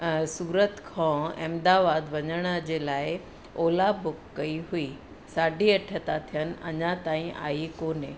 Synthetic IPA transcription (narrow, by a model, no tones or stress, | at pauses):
suːɾət̪kʰãːɛ̰̃ːmd̪aːʋaːd̪ʋɐɲəɽ̃əd͡ʑeːlaːɪ | oːlabʱʊkːɐiɦui | saːɖʱiɐʈʰət̪at̪ʰijənɪ̆ɐ̰ɲãt̪ãːĩʔa̰ːikoːne